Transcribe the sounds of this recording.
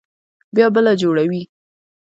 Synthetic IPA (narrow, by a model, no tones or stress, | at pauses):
bjɑbəlad͡ʒoɽawi